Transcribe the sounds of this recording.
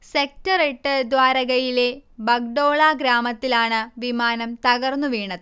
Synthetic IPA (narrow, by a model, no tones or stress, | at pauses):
sek̚tɐreʈːɨd̪ʋaːɾɐɣɐjile̞bɐk̚ɖo̞ːɭaːɡɾaːmɐt̪ːilaːɳɨʋimaːnɐmt̪ɐɣɐrnːuʋiːɳɐðɨ